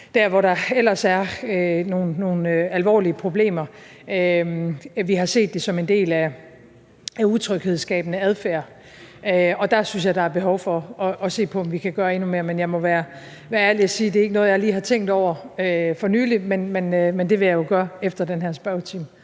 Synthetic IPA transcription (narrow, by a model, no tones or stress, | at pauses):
d̥æɐʋɒɾɑ̈el̰ɐsæɐno̝ːn̩ːo̝ːn̩øælʋɒ̰ːliəpʰʁo̝b̥le̝̰ːmɐ | ø | ʋiɦɑ̈se̝̰ːd̥ːe̝sɒ̽me̝nd̥e̝̰ːlæ | æuðˠt͡sʰʁœɡ̥heð̞̩ˠsɡ̥ɛ̰ːb̥ənəæð̞ˠfæːɐ̰ | øɒ̽d̥ɑ̈synsjɑ̈ɪdɑ̈æɐb̥e̝ɦɒʊfɒ̽ɒ̽ʔɒ̽se̝̰ːpʰɒ̽ɒ̽mʋikʰæɡ̥ɶːɐe̝nume̝ːɐ̰menjɑ̈ɪmɒ̽ʋæːɐ | ʋæɐæɐɐliæsiːd̥e̝æɐe̝ɡ̥ənɔ̽ːð̩ˠjɑ̈ɪliːɦɑ̈t͡sʰeŋ̰ɡd̥ɒʊ̰ɐøfɒ̽nyːlimenmenmend̥e̝ʋe̝jɑ̈jo̝ɡ̥ɶːɐefd̥ɐd̥enɦæɐsb̥ɑʊt͡sʰim